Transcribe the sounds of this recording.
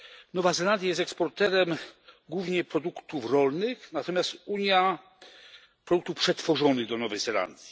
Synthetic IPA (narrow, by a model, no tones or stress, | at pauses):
nɔvazɛland̪ʲjajɛs̬t̪ɛkspɔɾt̪ɛɾɛmɡwuvɲɛpɾɔd̪ukt̪ufɾɔlnɘxnat̪ɔmʲjast̪uɲja | pɾɔd̪ukt̪ufpʂɛt̪fɔʐɔnɘɣd̪ɔnɔvɛjzɛla̰nd̪ʲji